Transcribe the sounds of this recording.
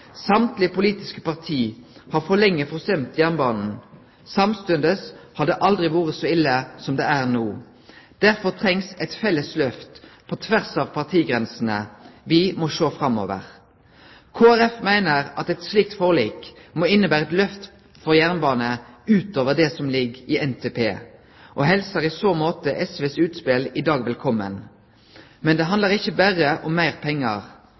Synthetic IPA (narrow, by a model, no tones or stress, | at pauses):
sɑmt̪lɪpʊliːt̪ɪskə̥pɑʁt̪ʰiːhɑːʁfɔʁlɛŋːəfɔʁsœmt̪jæʁnbɑːnn̩ | sɑmst̪ʉnd̪əshɑd̪ɛʔɑld̪ʁɪʋuːʁəsɔɪlːəsɔmd̪ɛæʁnuː | d̪̥æʁfɔʁt̪ʰʁɛŋsɛt̪fɛlːəslœft̪pʰɔt̪ʰʋæʁsɑʋpʰɑʁt̪ʰiːɡʁɛnsn̩ə̰ʋɪmɔʃoːfʁɑmo̰ːʋə̰ʁ | kʰoːæʁɛfmæɪnəʁɑt̪ɛt̪sliːk̚t̪foːliːkmɔːɪnːəbæːʁəɛt̪lœft̪ | fɔʁjæʁnbɑːnəʉːt̪oːʋəʁd̪ɛsɔmlɪɡɪːʔɛnt̪ʰeːpʰeː | ʔɔɦɛlsəʁɪsoːmoːt̪əʔɛsʋeːsʉːt̪spɪlɪd̪ɑːɡʋɛlkʰɔmːən | mɛnd̪ɛɦɑnd̪əʁɪçːəbæʁəʔɔmːæɪʁpʰɛŋːə̰ʁ